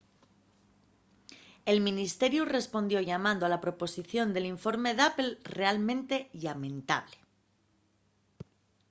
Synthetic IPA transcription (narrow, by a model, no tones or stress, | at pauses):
e̞lmĩnist̪e̞ɾjure̞spo̞nd̪jo̞ʝamãnd̪oalapɾo̞po̞siθjo̞nd̪e̞liɱfo̞ɾme̞ðapelre̞almẽ̞nt̪e̞ʎamẽ̞nt̪a̰β̞le